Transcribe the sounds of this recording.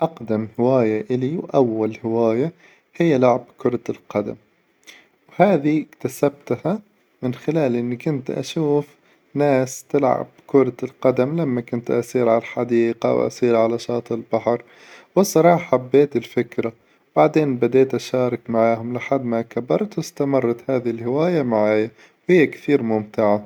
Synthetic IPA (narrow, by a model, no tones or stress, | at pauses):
ʔaqd̪amhɪwaːjaʔɪliwʔawːalhɪwaːja | hɪjːalʊʕab̚kʊɾˤɑɪlqɑd̪a̰m | whaːðikt̪asab̚t̪ha | mɪnxɪlaːlʔɪnːikʊnt̪ʔa̰ʃuːf | naːst̪ɪlʕa̰b̚kʊɾˤɑɪlqɑd̪amlamːakʊnt̪ʔɑsˤiːɾʕalaħad̪iːqa̰wʔa̰sˤiːɾʕalaʃɑːt̪ˤɪlbaħɑɾˤ | wɪsˤɑɾˤɑːħabːeːt̪ɪlfɪkɾa | baʕd̪eːnbad̪eːt̪ʔaʃɑːɾˤɑkmaʕaːhʊmlɪħad̪makabɑɾˤt̪wɪst̪amɑrˤːɑt̪haːðiɪlhɪwaːjamaʕaːja | whɪjːakθiːɾmʊmt̪ɪʕa